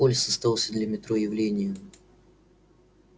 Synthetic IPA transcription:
olʲsəst̪ɐvɑlˠsʲəd̪lʲɐmʲɪt̪ɾojɪvlʲenʲɪjə

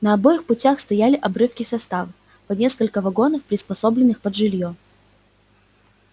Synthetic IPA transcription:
nəɐbo̞jɪxpʊtʲaxst̪ɐjalʲɪʔɐbɾɨfkʲɪsɐst̪avəf | pɐnʲe̞skəlʲkəvɐɡo̞nəfpɾʲɪspɐso̞blʲɪnːɨxpəd̪ʐɨlʲjo

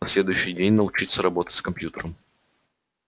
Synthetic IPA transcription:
ɐsʲlʲe̞d̪ʊjʉɕːɪjdʲenʲnəʊt͡ɕit̪səɾɐbo̞t̪ə̥tʲskɐmpʲjut̪əɾəm

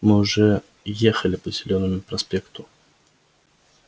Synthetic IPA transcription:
mɨʊʐɛ | jexəlʲɪpəzʲɪlʲo̞nːəmʊpɾɐspʲe̞kt̪ʊ

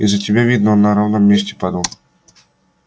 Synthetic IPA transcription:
izətʲɪbʲavʲid̪nəonːɐɾavnəmːʲesʲtʲɪ̥pad̪əlˠ

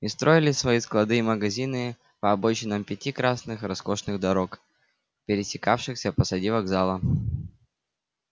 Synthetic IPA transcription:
ɪst̪ɾo̞ɪlʲɪsvɐisklˠɐd̪ɨiməɡɐzʲinɨ | pɐːbo̞t͡ɕɪnːəmpʲɪtʲikɾasnɨxɾɐsko̞ʂnɨɣd̪ɐɾo̞k | pʲɪɾʲɪsʲɪkafʂɨxsʲəpəsɐdʲivɐɡzalˠə

